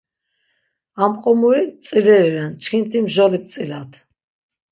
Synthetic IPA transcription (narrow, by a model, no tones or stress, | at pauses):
amqʼɔmuɾisʼilɛɾivɛnt͡ʃʰkʰint̪ʰimʒɔlip̚t̪sʼilat̪ʰ